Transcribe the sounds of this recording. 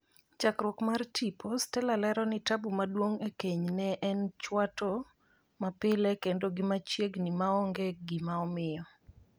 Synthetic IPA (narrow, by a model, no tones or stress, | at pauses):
t͡ʃakɾwɔkmartʰipʰostɛlalɛɾɔnɪtabumadwoŋekeɲnɛʔɛnt͡ʃwato | mapɪlɛkendoɡɪmat͡ʃjeɡnɪmaɔŋɡeɡɪmaɔmɪjɔ